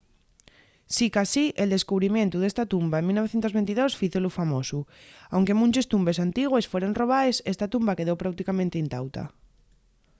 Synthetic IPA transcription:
sikasiʔeld̪e̞skuβɾimẽnt̪uð̞est̪at̪umbaemilnoeθjent̪ozβent̪iðosfiθolufamosuawŋke̞mũnt͡ʃest̪umbesant̪iɣ̞wesfweɾonro̞βaesest̪at̪umbake̞ðowpɾawt̪ikamẽnt̪eint̪awt̪a̰

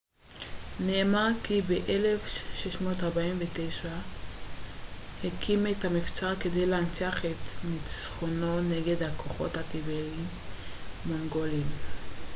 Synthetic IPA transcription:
neːmaʁkibeʔele̞fʃeʃmo̞taʁbaimvetejʃa | hekʰimetamift͡saʁke̞dejleant͡saχet̪nit͡sχononeɡe̞dhakʰoχo̞̰thakibelimː | oŋɡo̞lim

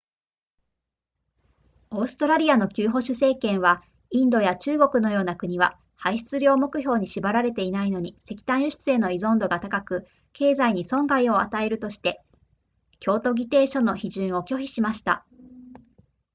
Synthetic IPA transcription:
o̞ːsɨ̥t̪o̞ɾaɾʲiano̞kʲɨːɦo̞ɕɨse̞ːkẽ̞ɰ̃βa | ĩnd̪o̞jat͡ɕɨːɡo̞kɯ̟no̞jo̞ːnakɯ̟ɲ̟iβa̰ | haiɕi̥t͡sɨɾʲo̞ːmo̞kɯ̟ço̞ːɲ̟iɕibaɾaɾe̞t̪e̞inaino̞ɲ̟ise̞kʲi̥t̪ãɰ̃ɕɨɕi̥t͡sɨe̞no̞izõ̞nd̪o̞ɡat̪akakɯ̟ | ke̞ːzaiɲ̟isõ̞ŋɡaio̞a̰t̪ae̞ɾɯ̟t̪o̞ɕi̥t̪e̞ | kʲo̞ːt̪o̞ɡʲit̪e̞ːɕo̞nːo̞çiʑɨ̃ɰ̃o̞kʲo̞çʲiɕimaɕi̥t̪a̰

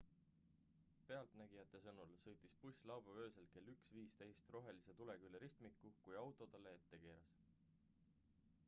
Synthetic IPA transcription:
pe̞ɑlt̪næɡ̥ijɑt̪ːˑe̞sɤnulsɤ̞jt̪ːˑispusʲlɑwbɑvø̞ːse̞lke̞lːyksviːst̪ejst̪ro̞ɦe̞lise̞t̪ule̞kylːeɾist̪mikːukujɑwt̪ˑo̞t̪ɑlːee̞t̪ːe̞ke̞ːɾɑs

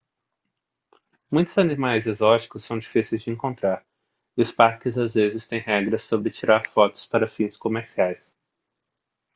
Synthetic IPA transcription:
mũj̃t̪ʊzɐnimajzɛzɔt͡ʃi̥kʊsːɐ̃w̃d͡ʒifisejzd͡ʒɪẽŋkõnt̪ɾaɾ | ʊspaɾkɪzazvezɪst̪ẽj̃ɦɛɡɾɐsːobɾɪt͡ʃiɾaɾfɔt̪ʊ̥spaɾɐfĩskomeɾsiajs

